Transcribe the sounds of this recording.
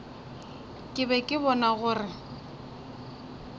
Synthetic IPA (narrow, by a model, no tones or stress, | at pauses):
kʼɪbɛkʼɪbɔnaɣʊːrɪ